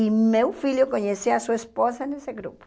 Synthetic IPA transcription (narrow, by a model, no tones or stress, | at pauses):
imewfiʎjʊkoɲesiasuɐesposɐneseɡɾṵpʊ̥